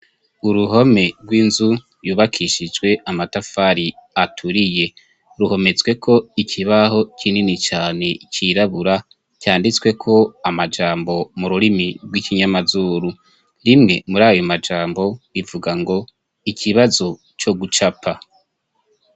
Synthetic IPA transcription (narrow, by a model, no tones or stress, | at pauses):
uɾuɦo̞me̞ɾɡwiːnzu | juːβakʰiʃid͡ʒɡwe̞amatafaɾiatʰuɾije̞ | ɾuho̞me̞t͡swe̞kʰo̞ikʰiβaho̞cʰininit͡ʃaːne̞cʰiɾaβuɾa | caːndit͡swe̞kʰo̞amad͡ʒaːmbo̞muɾuɾimiɡwiːkiɲamazuːɾu | ɾimŋe̞muɾaːjomad͡ʒaːmbo̞ivuɡaŋɡo̞ | ikʰiβazo̞ | t͡ʃo̞ɡut͡ʃapʰa